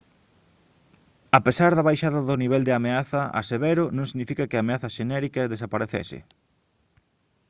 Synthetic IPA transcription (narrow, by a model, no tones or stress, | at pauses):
apesaɾðɐβajʃaðɐðʊniβ̞ɛld̪ɪameaθɐa̰seβɛɾʊnõŋsiɣnifikɐkɪaːmeaθɐʃenɛɾikɐðesapaɾeθɛ̰sɪ̰